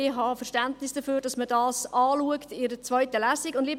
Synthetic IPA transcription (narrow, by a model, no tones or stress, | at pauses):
ɪɦɑfəɾʃtæntnɪsd̥əføːɾd̥ɑsmədɑːsɑːluəktɪɾət͡sʋœʏtəlæːsikʊndliːb